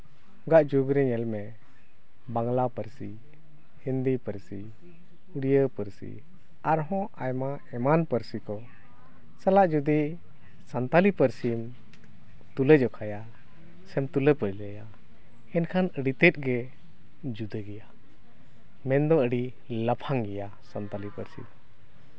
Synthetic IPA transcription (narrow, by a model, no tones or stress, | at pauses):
ɡaʔd͡ʒuɡɾɛɲɛlmɛ | baŋlapəɾsi | hind̪ipəɾsi | uɽijəpəɾsḭ | aɾɦɔ̃ʔajma | ɛmanpəɾsikɔ | salaʔd͡ʒud̪i | sant̪alipəɾsim | t̪uləd͡ʒɔkʰaja | sɛmt̪uləpəɾləja | ɛnkʰanəɽit̪ɛt̪̚ˀɡɛ | d͡ʒud̪əɡɛja | mɛnd̪ɔəɖi | ləpʰaŋɡɛja | sant̪alipəɾsḭ